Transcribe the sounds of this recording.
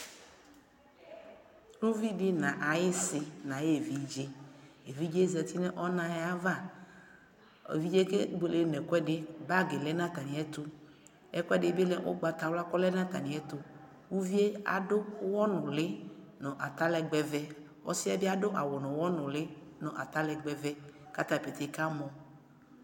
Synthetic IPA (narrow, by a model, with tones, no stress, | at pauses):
nũ˦vi˦dɪ˦nã˨ʔa˨jɪ˦sɪ˨nã˨je˦˨vi˨d͡ʒe˦ | e˨vi˦d͡ʒe˦zɛ˨t̪i˦nɛ̃˦ʔɔ˦nã˦ja˦va˦˨ | ḛ˨vi˦d͡ʒe˦ke˦ɡ͡be˨le˨˦nɛ̃˨kɔ˦ɛ˦dɪ˦ba˦ɡe˨lɛ˦nã˦t̪a˨nĩ˨ɛ˦t̪ʊ˦ | ɛ˦kɔ˦ɛ˦dɪ˨˦be˦lɛ˨ʔo̰˦ɡ͡ba˨t̪a˨wla˦kɔ˦lɛ˦nã˦t̪a̰˨nĩ˨˦ɛ˦t̪ʊ˦ | wu˦vi˦e˦a̰˨dʊ˦wɔ˦nʊ̃˨lɪ˦nɔ̃˨ʔa˨t̪a˦lɛ˨ɡ͡bɛ˨vɛ˦ | wɔ̰˦sɪ˦a˦bɪ˦a˦dʊ˦ʔa˨wɔ˨nɔ̃˨wɔ˦nʊ̃˨lɪ˦nɔ̃˨ʔa˨t̪a˦lɛ˨ɡ͡bɛ˨vɛ˦ka˦t̪a˨pe˨t̪e˦ka˦mɔ̃˨